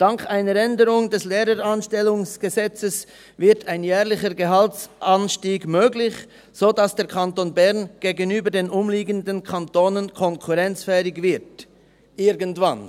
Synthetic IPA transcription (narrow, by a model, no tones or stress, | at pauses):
d̥aŋkʰaɪnəɾɛndəɾʊŋdɛsleːɾəɾanʃtɛlʊŋsɡ̥əzɛt͡səs | vɪɐtʰaɪnjɛːʁlɪçəɡeɦaltsʔanʃtiːɡmøːɡlɪç | z̥oːdasd̥eːɐkʰantoːnbɛʁnɡ̥eːɡənyːbədeːnʊmliːɡəndənkʰantoːnənkʰɔŋkʰuʁɛnt͡sfɛːɪɡvɪɐt | ʔɪɾɡəntv̥an